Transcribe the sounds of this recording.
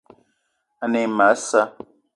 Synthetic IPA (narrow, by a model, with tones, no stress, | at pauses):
a˨ne˨ma˨˦sa˦